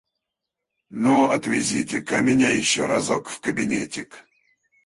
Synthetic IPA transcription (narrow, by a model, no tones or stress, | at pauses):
noɐt̪vʲɪzʲitʲɪkɐmʲɪnʲajɪɕːoɾazokfkəbʲɪnʲḛtʲɪk